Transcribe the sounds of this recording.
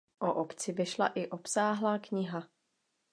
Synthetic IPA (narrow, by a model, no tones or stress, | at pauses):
ʔoʔopt͡sɪvɪʃla̰ʔɪʔo̞psaːɦlaːkɲɪɦa